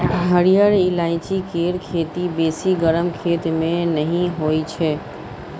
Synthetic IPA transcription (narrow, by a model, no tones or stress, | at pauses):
ɦəɽijəɾɪlaːɪt͡ʃikʰeːɾkʰeːt̪ibeːsiɡəɾəmkʰeːt̪mẽnəɦĩɦoːit͡ʃʰɛː